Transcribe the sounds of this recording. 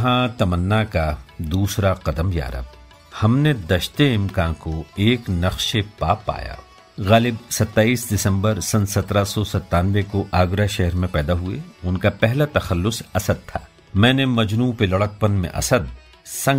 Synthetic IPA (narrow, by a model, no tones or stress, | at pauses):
ɦãt̪ɐmənːakad̪uːsɾaqɐd̪əmja̰ːɾə̰b | hɐmned̪ɐʃt̪eɪmkãːkoeːknɐxʃepaːpːa̰ːja̰ː | ɣaːlɪbsɐt̪ːaːiːsd̪ɪsə̃mbəɾsɐ̃nsɐt̪ɾasɔsɐt̪ːaːnʋekoʔaːɡɾaʃɛɦɾmẽpɛːd̪aɦuḛʊnkapɛɦlat̪ɐxɐlːʊsɐsəd̪̚t̪ʰaː | mɛ̃ːnemɐd͡ʒnuːpelɐɽək̚pənmḛ̃ʔɐ̰səd̪̚ | sɐ̃